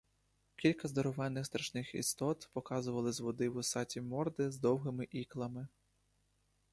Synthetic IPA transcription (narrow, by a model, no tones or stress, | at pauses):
kʲilʲkɐzd̪ɔɾɔʋɛnːɪxst̪ɾɐʃnɪxḭst̪ɔt̪pɔkɑzʊʋɐlˠɪzʋɔd̪ɪwʊsɑtʲimɔrd̪ɪzd̪ɔwɦɪmɪʔiklˠɐmɪ